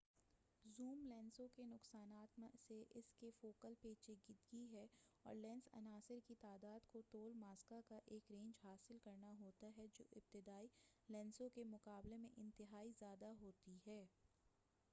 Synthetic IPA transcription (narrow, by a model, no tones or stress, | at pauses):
zuːmlɛ̃ːnsõkenʊqsaːnaːt̪mseʔɪskefoːkəlpeːt͡ʃeɡɪd̪ɡiɦɛɔ̰ːɾlɛ̃ːnsɐ̰naːsɪɾkit̪aːd̪aːd̪kot̪oːlmaːskakaʔeːkɾẽːɲd͡ʒɦaːsɪlkɐɾnaɦoːt̪aɦɛd͡ʒo̰ːʔɪb̚t̪ɪd̪aːilɛ̃ːnsõkemʊqaːblemẽʔɪ̃nt̪ɪɦaːizjaːd̪aɦoːt̪iɦɛː